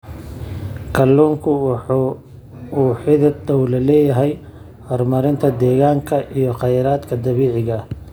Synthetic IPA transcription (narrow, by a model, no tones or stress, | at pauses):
kʰɐlːuːŋkʰʊwħuː | uːħɪðɐd̪ɔwlɐlɛːjɐɦɛj | hɔrmɐɾɪnt̪ʰɐd̪ɛːɣaːŋkʰɐʔijɔqɑjɾaːd̪kʰɐd̪ɐβiːʕɪɣɐ